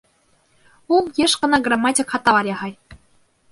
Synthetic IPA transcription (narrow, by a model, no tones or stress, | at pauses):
ulˠjeʃkɤ̆nɑɡrɑmːɑtʲikχɑt̪ːɑʋɑɾʲeʁɑj